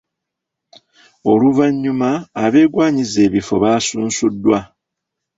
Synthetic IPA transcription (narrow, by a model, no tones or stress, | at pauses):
o̞luvaɲːumaːβe̞ːɡwaːɲize̞ːβifo̞βaːsuːnsudːwa